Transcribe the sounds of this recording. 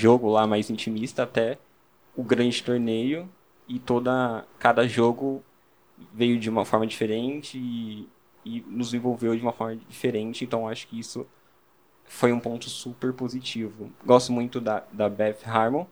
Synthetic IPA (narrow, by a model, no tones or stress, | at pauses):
ʒoɡʊlamajzĩt͡ʃimist̪ɐːt̪ɛ | ʊɡɾɐ̃nd͡ʒɪt̪oɾnejʊ | ɪt̪od̪ɐkad̪ɐʒoɡʊ | vejʊd͡ʒɪũmɐfɔɾmɐd͡ʒifeɾẽnt͡ʃɪː | nʊzzẽvowvewd͡ʒiũmɐfɔɾmɐd͡ʒifeɾẽnt͡ʃɪẽnt̪ɐ̃w̃aʃʊ̥kɪisʊ | fojũpõnt̪ʊsupeɾpozit͡ʃivʊɡɔst̪ʊmũj̃t̪ʊd̪ɐd̪ɐbɛfhaɾmo